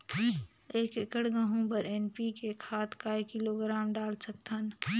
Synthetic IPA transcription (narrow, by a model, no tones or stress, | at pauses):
eːkɪkəɽɡəɦũpəɾeːnpikekʰaːt̪kaekɪloɡɾaːmɖaːlsək̚t̪ʰən